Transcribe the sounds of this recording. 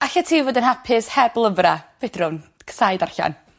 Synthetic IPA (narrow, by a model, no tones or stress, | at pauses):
aɬatʰiːvoːdənhapʰɪshɛblˠəvrav̥ed̥rʊn | kʰə̥sajdarɬa̰n